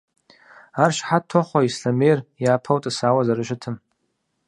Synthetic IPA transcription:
arʃħatʰoχʷaisɬamejrjaːpʰawtʼasawazaɾɨʃɪtʰɨm

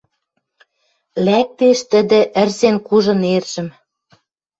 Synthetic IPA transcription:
læk̚t̪eʃt̪ə̆d̪ɘ̆ʔə̆rzenkuʒɤ̆nerʒ̥ɘ̆m

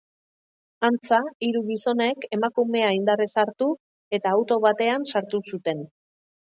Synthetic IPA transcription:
ant͡saiɾuɣiso̞ne̞ke̞makume̞aind̪arisaɾt̪u | e̞t̪aːwt̪o̞βat̪e̞ansaɾt̪usut̪e̞n

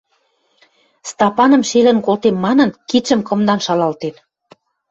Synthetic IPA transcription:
st̪ɑpɑnə̆mʃelə̆nkolt̪emmɑnə̆nkit͡ʃə̆mkɤ̆md̪ɑnʃɑlɑlt̪en

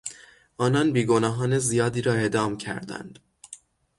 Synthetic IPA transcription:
ʔɒːnɒnbiːɡonɒːɦɒːnezijɒːd̪iːɾɒːe̞ʔd̪ɒːmcʰæ̰ɾd̪æ̰nd̪̥

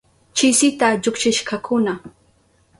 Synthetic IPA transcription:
t͡ʃɪsɪt̪aʎʊkt͡ʃɪʃkakʰʊna

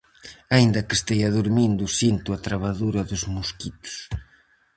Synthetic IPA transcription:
aind̪ɐke̥st̪ejaðuɾmind̪ʊsint̪uat̪ɾaβaðuɾɐðʊzmuskit̪ʊ̥s

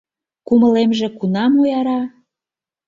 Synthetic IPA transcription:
kuməlemʒĕkunɑmojɑɾɑ

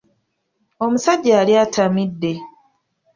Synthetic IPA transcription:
o̞musaɟːaːliatʰamidːe̞

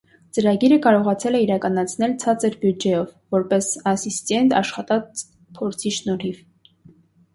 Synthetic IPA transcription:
t͡səɾɑɡiɾəkɑɾɔʁɑt͡sʰɛlɛiɾɑkɑnɑt͡sʰn̪ɛlt͡sʰɑt͡səɾbjud͡ʒɛjɔvːɔɾpɛsɑsist̪ɛnt̪ɑ̰ʃχɑt̪ɑt͡s | pʰɔɾt͡sʰiʃnɔɾiv

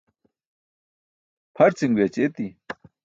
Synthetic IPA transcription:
pʰɐɾt͡siŋɡwet͡ɕet̪i

